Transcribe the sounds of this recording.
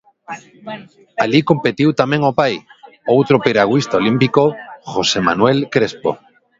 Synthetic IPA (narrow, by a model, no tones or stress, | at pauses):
alikompet̪iwt̪amẽŋopaj | owt̪ɾopeɾaɣwist̪aolimpikoxosema̰nwelkɾespo̰